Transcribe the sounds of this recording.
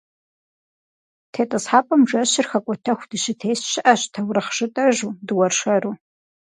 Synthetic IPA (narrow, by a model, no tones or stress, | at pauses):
tʰeːtʼɐsħaːpʼɐmʒʷɐɕɪrxɐkʷʼɔtʰɐxʷd̥ɨɕɪtʰeːsʃɪʔɐɕtʰɐwrɨχʒɪtʼɐʒuːdɨwɐrʂɐɾuː